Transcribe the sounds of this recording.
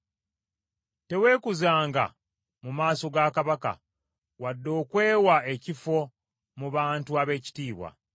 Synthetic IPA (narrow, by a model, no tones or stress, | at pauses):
te̞we̞ːkuzaːŋɡa̰ | mumaːso̞ɡaːkaβaka̰ | wadːo̞ːkwe̞ːwae̞cifo̞ | muβaːntuaβe̞ːci̥tiːβwa̰